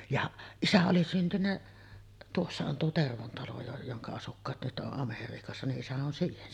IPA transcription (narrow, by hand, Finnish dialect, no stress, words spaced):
jɑʔ isæ oli syntynːæ tuosːɑ on tuo terʋon tɑlo jo joŋkɑ ɑsukːɑːt nyt ʔoʔ ʔɑmeriːkɑsːɑ niʔ ʔisæ on siːhen